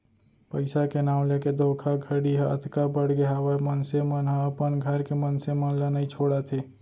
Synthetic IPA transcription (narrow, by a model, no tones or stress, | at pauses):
pəɪsakenaːw̃leked̪ʱokʰaɡʱəɽiɦəʔə̰t̪kabəɽɡeɦaʋamənsemənɦə̃əpənɡʱəɾkemənsemənlənait͡ʃʰoːɽat̪ʰe